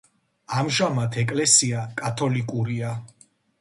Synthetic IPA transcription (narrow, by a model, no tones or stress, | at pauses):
amʒamat̪ʰɛkʼlɛsiakʼat̪ʰɔlikʼuɾia